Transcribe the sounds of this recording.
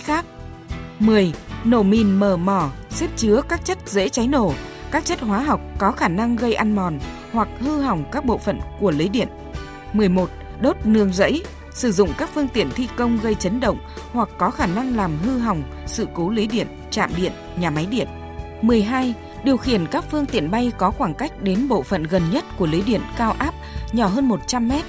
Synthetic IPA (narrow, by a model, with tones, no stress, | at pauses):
xaː˦˥k̚ | mɨ˨˩əjno̰˧˩mi˨˩nməː˨˩mɔ˧˩sɛ˦˥p̚t͡ɕɨ˨˦əkaː˦˥k̚t͡ɕə˦˥t̚zḛ˧˥t͡ɕa˨˦jno̰˧˩kaː˦˥k̚t͡ɕə˦˥t̚hwaː˨˦ɦa˨˩wk͡p̚kɔ˨˦xaː˧˩na˧ŋɣə˧jʔa˧nmɔ˨˩n | hwa˨˩k̚hɨ˧ɦa˨˩wŋ͡mkaː˦˥k̚ɓo̰˧˨fə̰˧˨nku˧˩əli˨˦ɗḭ˧˨ən | mɨ˨˩əjmo˨˩t̚ | ɗo˦˥t̚nɨ˧əŋzə̰˧˥j | sɨ˧˩zʊ̰˧˨ŋ͡mkaː˦˥k̚fɨ˧əŋt̪i˧˨ənt̪ʰi˧kə˧wŋ͡mɣə˧jt͡ɕə˨˦nɗə̰˧˨wŋ͡m | hwa˨˩k̚ːɔ˨˦xaː˧˩na˧ŋlaː˨˩mɦɨ˧ɦa˨˩wŋ͡m | sɨ̰˧˨ko˨˦li˨˦ɗḭ˧˨ənt͡ɕa̰ː˧˨mɗḭ˧˨ənɲaː˨˩ma˨˦jɗḭ˧˨ən | mɨ˨˩əjɦaː˧j | ɗi˨˩əwxi˧˩ənkaː˦˥k̚fɨ˧əŋt̪ḭ˧˨ənɓa˧jkɔ˨˦xwaː˧˩ŋka˦˥jk̟̚ɗe˨˦nɓo̰˧˨fə̰˧˨nɣə˨˩nɲə˦˥t̚ku˧˩əli˨˦jɗḭ˧˨ənkaː˧wʔaː˦˥p̚ɲɔ˧˩ɦəː˧nmo˨˩t̚t͡ɕa˧mːɛ˦˥t̚